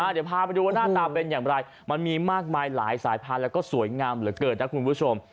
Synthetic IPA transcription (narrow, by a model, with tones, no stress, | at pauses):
a˥˩i˨˩əpʰaː˧ma˧jduː˧waː˥˩naː˥˩t̪aː˧pe˧njaː˨˩ŋɾa˧j | ma˧nmiː˧maː˥˩k̚maː˧jla̰ː˩˦jsaː˩˦jpʰaː˧nlɛ˦˥wkɔː˥˩su˨˩˦əjŋaː˧mɾɯː˩˦kɤː˨˩t̪̚na˦˥kʰu˧npʰu˥˩t͡ɕʰo˧m